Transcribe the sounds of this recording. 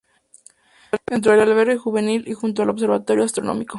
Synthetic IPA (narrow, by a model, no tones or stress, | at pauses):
ent̪ɾoelalβeɾexuβe̞nilixunt̪̬oaloβs̬e̞ɾβat̪o̞ɾjoast̪ɾo̞no̰miko